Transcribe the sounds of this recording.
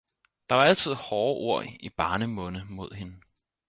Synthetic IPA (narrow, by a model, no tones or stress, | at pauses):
d̥ɑ̈ʋɑ̈æl̰t͡sʰið̰ˠhɒːʔo̝ɐ̰ib̥ɑ̈ːnəmɔ̽nəmo̝ð̞̰ˠhe̝nə